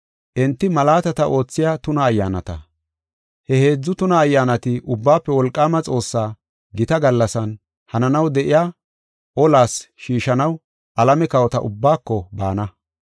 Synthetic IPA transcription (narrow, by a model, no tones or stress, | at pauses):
ʔɛnt̪ːɪmɐlaːt̪ɐt̪ɐʔo̞ːt͡sːɪjaːt̪ʊnɐːjːa̰ːnɐ̰t̪ɐ̰ | hɛhe̞ːd͡zːʊt̪ʊnɐːjːaːnɐt̪ɪʔʊbːaːpːɛwɔlkʼːaːmɐt͡sʼo̞ːsːaː | ɡɪt̪ɐɡɐlːɐsɐn | hɐnɐnɐwd̪ɛʔɪjaː | ʔɔlaːsʃiːʃɐnɐw | ʔɐlɐmɛkɐwɔt̪ɐ̰ʔʊbːaːkːɔba̰ːnɐ